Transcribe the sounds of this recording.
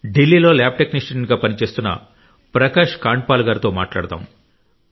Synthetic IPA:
ɖilːiːlo̞ːlaːb̚ʈeknisʈɐʈɐɳɡaːpɐnit͡ʃe̞ːst̪unːɐ̰ | pɾɐkaːʂkaːɳʈ̚paːluɡaːɾit̪o̞ːmaːʈla̰ːɽt̪a̰ːm

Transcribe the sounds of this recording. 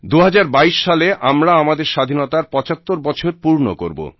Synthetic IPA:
d̪uɦad͡ʑaɾbaiʃːaleʔamɾaamad̪eɾʃad̪ʱinot̪aɾpɔt͡ɕat̪ːoɾbɔt͡ɕʰoɾpuɾno̰ko̰ɾbo̰

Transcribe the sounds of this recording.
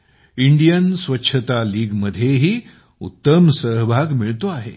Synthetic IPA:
iɳɖijənsʋətːɕʰət̪aliːɡməd̪ʱjeɦiː | ṵt̪ːəmsəɦbʱaɡmiɭt̪oaɦḛ

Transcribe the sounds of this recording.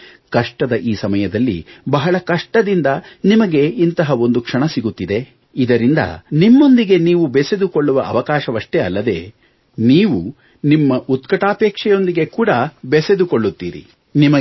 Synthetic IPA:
kɐʂʈɐd̪ɐʔiːsɐmɐjɐd̪ɐlːḭbɐɦɐɭɐkɐʂʈɐd̪ind̪ɐnimɐɡe̞int̪ɐɦɐo̞nd̪ukʂɐɳɐsiɡut̪ːid̪e̞ | id̪ɐɾind̪ɐ̰nimːo̞nd̪iɡe̞niːʋubese̞d̪uko̞ɭːuʋɐʔɐʋɐkaːʃɐʋɐʂʈeɐlːɐd̪e̞̰ː | niːʋu | nimːɐʔut̪̚kɐʈaːpɛːkʂɛjo̞nd̪iɡe̞kuːɽɐbese̞d̪uko̞ɭːut̪ːḭːɾḭ | nimɐ

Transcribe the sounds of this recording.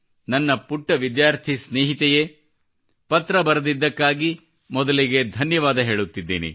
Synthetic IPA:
nɐnːɐpuʈːɐʋid̪jaːɾt̪ʰisneːɦit̪ɛje | pɐt̪ɾɐbɐɾɐd̪id̪ːɐkːaːɡi | mɔd̪ɐliɡe̞d̪ʱɐnjɐʋaːd̪ɐɦe̞ːɭut̪ːid̪ːḛːnḭ

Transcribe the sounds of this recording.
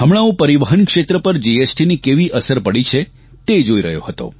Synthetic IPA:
ɦəmɭ̃aũpəɾiʋəɦənkʂet̪ɾəpəɾd͡ʒiesʈinikeʋiʔəsəɾpəɽit͡ʃʰe | t̪ed͡ʒoiɾəɦjoɦət̪o̰

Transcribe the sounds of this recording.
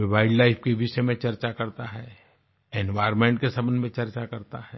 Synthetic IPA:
ʋaːɪɖlaːɪfkeʋɪʃemẽt͡ʃɐɾt͡ʃakɐɾt̪aɦɛː | enʋaːɾmẽɳʈ̚kesɐbənmẽt͡ʃɐɾt͡ʃakɐɾt̪aɦɛː

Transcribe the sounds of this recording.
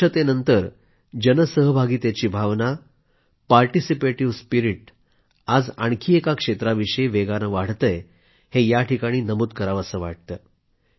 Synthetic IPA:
ət̪enənt̪əɾ | d͡ʑənəsəɦbʱaɡiːt̪jat͡ɕiːbʱaʋna | paɾʈisipeʈiʋspiɾiʈ̚ | ad͡zaɳkʰiːekakʂet̪ɾaʋiʂəjʋeɡaɾə̃ʋaɽ̤t̪əj | hejaʈʰikaɽ̃iːnəmuːt̪̚kəɾaʋəsəːʋa̰ʈ̚t̪əː

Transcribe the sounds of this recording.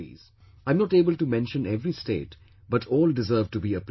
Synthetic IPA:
ḭz̥ | ãɪ̃mnɔʈeːbəlʈumɛ̃nʃə̃nɛʋɾistḛːʈ | bʌʈʰɔːlɖɪzəɾvʈubiəp

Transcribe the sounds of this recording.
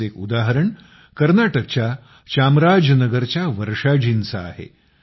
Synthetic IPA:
ekud̪aɦəɾəɳ | kəɾnaʈək̚t͡ɕja | t͡ɕamɾad͡ʑnəɡəɾt͡ɕjaʋəɾʂad͡ʑinsa̰ːɦḛ

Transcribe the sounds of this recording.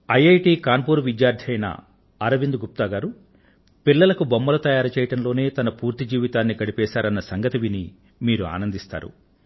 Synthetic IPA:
ɐjɐjʈiːkaːnpuːɾuʋid̪jaːɾd̪ʰʱɐjnɐ̰ | ɐɾɐʋind̪uɡup̚t̪aːɡaːɾu | pilːɐlɐkubomːɐlɐt̪ɐjaːɾɐt͡ʃɛːjɐʈɐnlo̞ːne̞ːt̪ɐnɐpuːɾt̪id͡ʒiːʋit̪aːnːikɐɽipɛːʃaːɾɐnːɐsɐŋɡɐt̪iʋini | miːɾua̰ːnɐnd̪ist̪a̰ːɾṵ

